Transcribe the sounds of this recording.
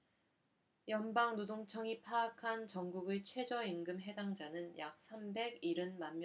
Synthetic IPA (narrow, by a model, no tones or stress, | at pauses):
jʌnbaŋnodoŋt͡ɕʰʌŋipʰaːkʰant͡ɕʌŋɡuɡɯt͡ɕʰwe̞d͡ʑʌinɡɯmɦe̞daŋd͡ʑanɯnjak̚s͈ʰambe̞ɡiɾɯnmamːjʌ